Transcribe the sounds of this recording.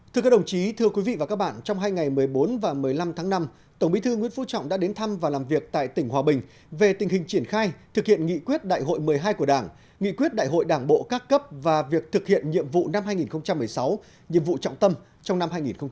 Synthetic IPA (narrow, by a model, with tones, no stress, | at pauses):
t̪ʰɨ˧kaː˦˥ɗə˨˩wt͡ɕi˨˦t̪ʰɨ˧əkwi˨˦vḭ˧˨a˨˩kaː˦˥k̚ɓa̰ː˧˨nt͡ɕɔ˧wŋ͡mɦaː˧jŋa˨˩jmɨ˨˩əjɓo˨˦nvaː˨˩mɨ˨˩əjla˧mt̪ʰaː˨˦ŋna˧m | t̪ə˧˩wŋ͡mɓi˨˦t̪ʰɨ˧ŋw̰nfṵ˧˥t͡ɕɔ̰˧˨wŋ͡mɗa̰˧˥ɗe˨˦nt̪ʰa˧mvaː˨˩laː˨˩mvi˨˩ək̚t̪a̰ː˧˨jt̪ï˧˩ŋ̟hwaː˨˩ɓï˨˩ŋ̟ | ve˨˩t̪ï˨˩ŋ̟hï˨˩ŋ̟t͡ɕi˧˩ənxaː˧jt̪ʰɨ˨˩k̚hḭ˧˨ənŋḭ˧˨kwi˦˥ət̚ɗa̰ː˧˨jɦo̰˧˨jmɨ˨˩əjɦaː˧jku˧˩əɗaː˧˩ŋ | ŋḭ˧˨kwi˦˥ət̚ɗa̰ː˧˨jɦo̰˧˨jɗaː˧˩ŋɓo̰˧˨kaː˦˥kːə˦˥p̚vaː˨˩vi˨˩ək̚t̪ʰɨ˨˩k̚hḭ˧˨ənɲḭ˧˨əmvṵ˧˨na˧mhaː˧jŋi˨˩nxə˧wŋ͡mt͡ɕa˧mːɨ˨˩əjsa˨˦w | ɲḭ˧˨əmvṵ˧˨t͡ɕɔ̰˧˨wŋ͡mt̪ə˧m | t͡ɕɔ˧wŋ͡mna˧mhaː˧jŋi˨˩nxə˧wŋ͡m